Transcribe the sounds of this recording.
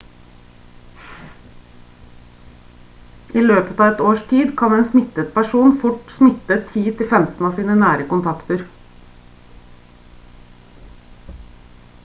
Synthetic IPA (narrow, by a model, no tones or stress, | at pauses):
ʔiːløːpət̪ɑːɛt̪oːʃtʰiːd̪kʰɑneːnsmɪt̪ət̪̚pʰæʃuːnfʊʈsmɪt̪ət̪ʰiːt̪ʰɪfɛmt̪n̩ɑːsiːnənæːɾəkʊnt̪ʰɑkt̪əɾ